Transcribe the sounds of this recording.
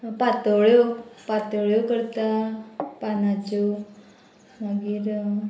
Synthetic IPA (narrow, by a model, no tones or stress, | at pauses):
pat̪oɭjopat̪oɭjokəɾt̪apanat͡ʃo | baɡiɾ